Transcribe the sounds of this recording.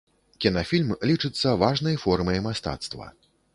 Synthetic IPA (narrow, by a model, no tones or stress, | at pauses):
kʲinafʲilʲmlʲit͡ʂɨt̪sːɐvaʐnɐjfɔrmɐjmast̪a̰t̪st̪vɐ̰